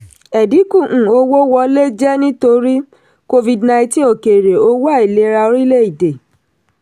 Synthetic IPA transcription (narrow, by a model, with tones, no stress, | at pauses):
ɛ˨di˨˦kũ˦˨ʔ̩˨o˧wo˦wɔ˧˦le˦d͡ʒɛ˦nĩ˦to˧ɾi˦ | ko˧vi˧dnã˧ĩ˧tĩ˦o˨ke˨ɾe˨o˦wa˦˨i˨le˨˦ɾa˧o˧ɾi˦le˦i˦˨de˨